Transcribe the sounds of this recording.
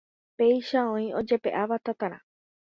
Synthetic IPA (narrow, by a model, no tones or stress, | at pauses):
pe̞jʃaõĩo̞d͡ʒe̞pe̞̰ʔaʋat̪at̪ãɾã̰